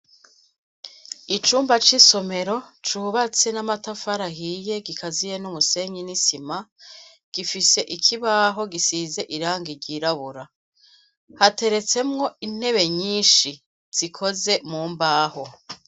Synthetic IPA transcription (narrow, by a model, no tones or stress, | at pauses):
it͡ʃuːmbat͡ʃiso̞me̞ɾo̞t͡ʃuːβat͡se̞namatafaɾaɦije̞ɡikʰazije̞numuse̞ɲinisima | ɡ̥ifise̞ʔikʰiβaːɦo̞ɡisize̞ʔiɾaːŋɡiɾɟiːɾaβuɾa | hate̞ɾe̞t͡se̞mŋo̞in̥he̞βe̞ɲiːnʃi | z̥ikʰo̞ze̞muːmbaːho̞